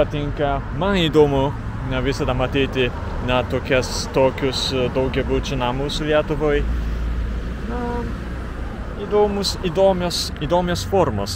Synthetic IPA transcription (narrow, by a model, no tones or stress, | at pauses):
pɐt̪ʲɪŋkɐ | mɐniːd̪oːmʊ | nʲɐʋʲɪsɐd̪ɐmɐt̪ʲiːt̪ʲɪ | nʲɐt̪oːkʲɛst̪oːkʲʊsd̪ɐʊɡʲɛbut͡ʃʲʊnɑːmuːsʊlʲiɛt̪ʊʋoj | nʊ | id̪oːmʊsiːd̪oːmʲosiːd̪oːmʲesfoːɾmoːs